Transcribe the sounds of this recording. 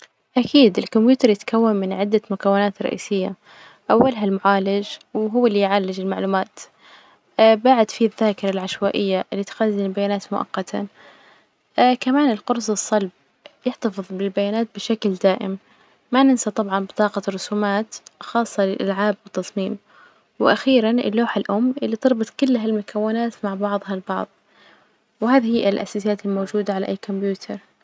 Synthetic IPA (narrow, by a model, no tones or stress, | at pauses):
ʔakʰiːd̪ɪlkʊmbjuːt̪ɑɾˤjɪt̪kawːanmɪnʕɪd̪ːamʊkawːɪnaːt̪rˤːɑ̰ʔḭːsɪjːa | ʔawːalɦalmʊʕaːlɪd͡ʒwɦʊwːalːijʕalːɪd͡ʒɪlmaʕluːmaːt̪ | baʕɪd̪fiðːaːkɪɾˤɑlʕaʃwaːʔɪjːaʔɪlːiːt̪xazːɪnɪlbajaːnaːt̪mʊʔɑ̰qːɑt̪ʰa̰ | kamaːnɪlqʊɾˤsɨsˤːɑlb̚ | jɪħt̪ɑfɨðˤbɪlbajaːnaːt̪̚bɪʃakld̪aːʔɪ̰mː | anɪnsat̪ˤɑbʕɑnbɪt̪ˤɑːqɑrˤːʊsuːmaːt̪xɑːsˤːɑlɪlʔa̰lʕaːbwɪt̪ːɑsˤmiːm | wɪʔaxiːɾanʔɪ̰lːoːħalʔʊmːʔɪlːit̪ɨɾˤbɨt̪ˤkʊlːɦalmʊkʰawːɪnaːt̪maʕbɑʕðˤhɑlbɑʕðˤ | wɪɦaːðhiːɪlʔa̰saːsɪjaːt̪ɪlmoːd͡ʒuːd̪aʕalaʔajːkʊmbjuːt̪ʰɑɾˤ